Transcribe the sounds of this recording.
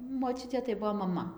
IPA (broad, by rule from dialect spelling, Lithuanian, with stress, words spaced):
moːˈt͡ʃʲʊtʲeː tɐɪ ˈbuɔ mɐˈmɐ